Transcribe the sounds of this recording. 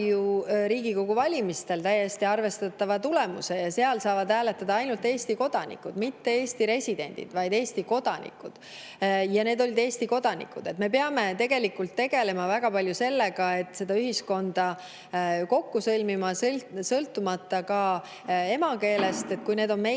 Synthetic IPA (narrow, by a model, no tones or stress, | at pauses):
juɾiːɡiko̞ɡ̥uvɑlʲimist̪e̞lt̪æjːe̞st̪iɑrve̞st̪ɑt̪ˑːɑvɑt̪ule̞mṵse̞jɑse̞ɑlsɑːvɑd̪̥hæːle̞t̪ːˑɑd̪ɑɑjnult̪e̞ːst̪iko̞d̪̥ɑnḭkːud̪mit̪ːe̞eːst̪iɾe̞sʲid̪̥e̞̰nʲd̪̥ḭd̪̥vɑjd̪e̞ːst̪iko̞d̪̥ɑnʔḭkːˑud̪̥ | jɑne̞ːd̪o̞lʲid̪̥e̞ːst̪iko̞d̪̥ɑnḭkud̪̥e̞t̪me̞p̬eɑme̞t̪e̞ɡe̞likːult̪ːe̞ɡ̥e̞le̞mɑvæɡ̥ɑpɑlʲjuse̞lːe̞ɡɑe̞t̪ːˑse̞d̪ɑyɦisko̞nd̪̥ɑ | ko̞kːusɤlʲmimɑsɤlt̪ːˑumɑt̪ːˑɑkɑ | e̞mɑke̞ːle̞st̪e̞t̪̚ˑkujne̞ːd̪o̞nme